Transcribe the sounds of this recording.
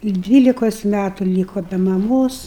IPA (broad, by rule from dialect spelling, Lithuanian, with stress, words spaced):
ˈdʲʋʲiːlʲɪkoːs ˈmʲætʊ ˈlʲiːkoː bʲɛ mɐˈmoːs